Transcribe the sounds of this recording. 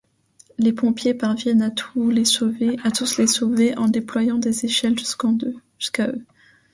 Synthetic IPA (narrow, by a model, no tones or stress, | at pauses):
lepɔ̃pjepaʁvjɛnat̪ʰulesoveat̪uslesoveʔɑ̃d̪eplwajɑ̃d̪ezeʃɛlʒyskɑ̃d̪øʒ̥yskaø